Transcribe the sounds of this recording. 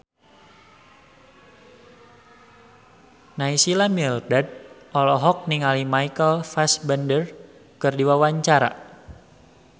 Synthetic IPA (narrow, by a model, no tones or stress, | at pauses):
naisilamildad̚ʔɔlɔɦɔk̚niŋalimaikəlfasbəndər | kɨrdiwawaɲt͡ʃaɾa̰